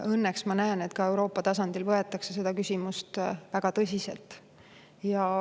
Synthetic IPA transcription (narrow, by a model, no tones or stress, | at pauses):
ɤnːeksmɑnæene̞t̪kɑe̞wɾo̞ːpːˑɑt̪ɑsɑnd̪̥ilvɤe̞t̪ːˑɑkse̞se̞d̪ɑkysʲimust̪væɡ̥ɑt̪ɤsʲiselt̪ˑ | jɑ